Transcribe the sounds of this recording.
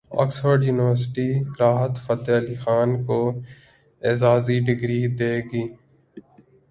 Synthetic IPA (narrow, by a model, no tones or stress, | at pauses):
ɔ̰ːksfəɾɖjuːnɪʋəɾsɪʈiɾaːɦət̪fət̪elixaːnko | eːzaːziɖɪɡɾid̪eːɡiː